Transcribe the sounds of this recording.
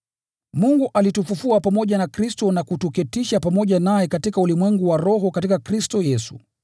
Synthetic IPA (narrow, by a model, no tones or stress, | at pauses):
muŋɡuʔalitufufuapamɔʄanakɾistɔnakutukɛtiʃapamɔʄanajɛkatikaulimwɛŋɡuwaɾɔɦɔkatikakɾistɔjɛsṵ